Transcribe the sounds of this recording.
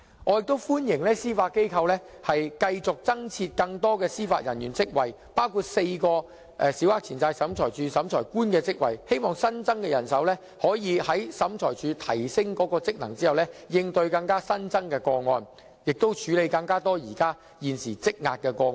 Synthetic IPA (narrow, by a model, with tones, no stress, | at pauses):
ŋɔː˨˧jɪ˨k̚t̪o˥wfuː˥njɪ˨˩ŋlɛː˥siː˥faː˧t̚kːe˥jkʰɐ˧wlɛː˥ | hɐ˨jkɐ˧jt͡sʊ˨k̚t͡sɐ˥ŋt͡sʰi˧t̚kɐ˧ŋt̪ɔː˥kɛː˧siː˥faː˧t̚jɐ˨˩njyː˨˩nt͡sɪ˥k̚wɐ˨j | paː˥wkʰuː˧t̚se˧jkɔː˧ | ʔɛ˨˧siː˨˥whaː˨˥k̚t͡sʰiː˨˩t͡saː˧jsɐ˨˥mt͡sʰɔː˨˩jt͡ʃyː˨˧sɐ˨˥mt͡ʃʰɔː˨˩jkuː˥nkɛː˧t͡sɪ˥k̚wɐ̰˨˩jhe˥jmɔː˨˩ŋsɐ˥nt͡sɐ˥ŋkɛː˧jɐ˨˩nsɐ˨˥wlɛː˥ | hɔː˨˥jiː˨˧hɐ˨˥jsɐ˨˥mt͡ʃʰɔː˨˩jt͡ʃyː˨˧t̪ʰɐ˨˩jsɪ˥ŋkɔː˨˥kɔː˧t͡sɪ˥k̚nɐ˨˩ŋt͡siː˥hɐ˨wlɛː˥jɪ˧ŋt̪ɵ˧ɥkɐ˧ŋkaː˥sɐ˥nt͡sɐ˥ŋkɛː˧kɔː˧ŋɔ̰ː˧n | jɪ˨k̚t̪o˥wt͡ʃʰyː˨˥le˨˧jkɐ˧ŋkaː˥t̪ɔː˥jiː˨˩kaː˥ | jiː˨˩nsiː˨˩t͡sɪ˥k̚ŋaː˧t̚kɛː˧kɔː˧